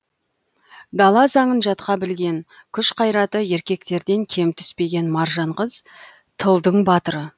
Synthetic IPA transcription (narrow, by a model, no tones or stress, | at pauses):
d̪ɑlˠɑsɑɴənʒɑt̪̚qɑbɪlɡʲe̞n | kʲʰʏʃqʰɑjɾɑt̪əe̞ɾkʲe̞k̚t̪e̞ɾd̪e̞ŋkʲʰe̞mt̪ʰʏ̥spe̞ɡʲe̞nmɑɾʒɑɴʁəz | t̪ʰəlˠd̪əɴbɑt̪əɾə